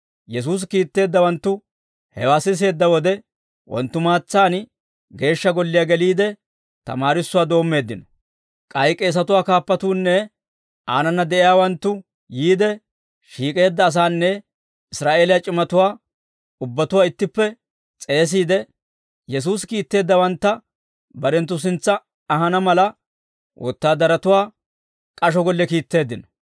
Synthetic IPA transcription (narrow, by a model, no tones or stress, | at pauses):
jɛs̬uːs̬kiːt̪ːe̞ːd̪ːɐwɐnt̪ːʊ | hɛwaːsɪs̬e̞ːd̪ːɐwɔd̪ɛ | wʔɔ̰nt̪ːʊmaːt͡sːaːn | ɡe̞ːʃːɐɡɔlːɪjaːɡɛliːd̪ɛ | t̪ɐ̰maːɾɪsːʊwaːd̪o̞ːmːe̞ːd̪ːɪnɔ | kʼɐjkʼːɛːs̬ɐt̪ʊwaːkaːpːɐt̪uːnːɛ | ʔaːnɐnːɐd̪ɛʔɪjaːwɐnt̪ːʊ | jiːd̪ɛ | ʃiːkʼe̞ːd̪ːɐːs̬aːnːɛ | ɪsɾaːʔe̞ːlɪjat͡ʃʼɪmɐt̪ʊwaː | ʊbːɐt̪ʊwaːɪt̪ːɪpːɛ | t͡sʼe̞ːs̬iːd̪ɛ | jɛs̬uːskiːt̪ːe̞ːd̪ːɐwɐnt̪ːɐ | bɐɾɛnt̪ːʊs̬ɪnt͡sːɐː | ɦɐnɐmɐlɐ | wʔɔ̰t̪ːaːd̪ɐɾɐt̪ʊwaː | kʼɐʃ̬ɔɡɔlːɛkiːt̪ːe̞ːd̪ːɪnɔ̥